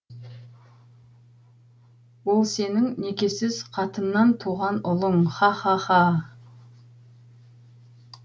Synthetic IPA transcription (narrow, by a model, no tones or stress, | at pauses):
wo̞lˠse̞nɪŋne̞kʲe̞sɪzqʰɑt̪ənːɑnt̪ʰuʁɑnʊlˠəɴχɑχɑχɑ